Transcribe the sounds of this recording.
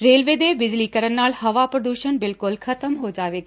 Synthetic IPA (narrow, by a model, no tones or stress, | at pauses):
ɾeːlʋeːd̪eːbɪd͡ʒlikɐɾənːaːlhɦɐʋapɾɐd̪uːʃənbɪlkʊlkʰɐt̪əmɦod͡ʒaːʋeːɡ